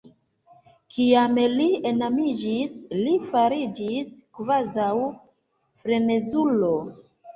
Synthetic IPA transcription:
kiamlienamid͡ʒislifaɾid͡ʒiskvazaw | fɾe̞ne̞zulo

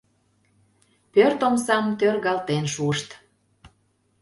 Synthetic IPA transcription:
pørt̪omsɑmt̪ørɣɑlt̪enʃuəʃt̪

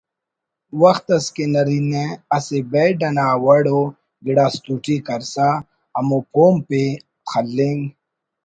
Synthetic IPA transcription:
wɐxt̪ɐskenɐɾiːnẽɐsebeɖɐnaːwɐɽoː | ɡɪɽaːst̪uːʈikɐɾsa | ɐmoːpʰoːmpe | xʰɐlːeŋɡ

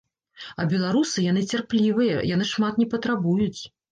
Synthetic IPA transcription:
ɐbʲɛlˠaɾusɨjan̪ɨt͡sʲarplʲivɨjɐ̰jan̪ɨʂmat̪nʲɛpɐt̪ɾabujut͡sʲ

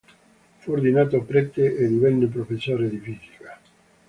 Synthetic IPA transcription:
fuɾd̪inat̪opɾɛt̪ːeed̪iβɛnːep̬ɾofesoɾeðifiθi̥ka

